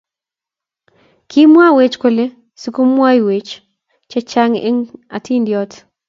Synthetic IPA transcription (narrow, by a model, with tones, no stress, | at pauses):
kʰi˦mwa˦we˦t͡ʃko˦˨le˦ | si˦ko˦mwa˦jwe˨t͡ʃ | t͡ʃɛ˦t͡ʃa˦ŋḛ˦ŋa˨tʰi˦ndjɔt